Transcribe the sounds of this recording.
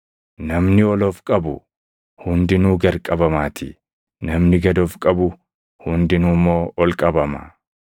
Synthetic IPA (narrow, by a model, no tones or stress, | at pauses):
nɐmnɪɔlɔfkʼɐbʊ | hʊnd̪ɪnuːɡɐɾkʼɐbɐmaːt̪ʰɪ | nɐmnɪɡɐd̪ofkʼɐbʊ | hʊnd̪ɪnumːo̞ːʔɔlkʼɐbɐmɐ̰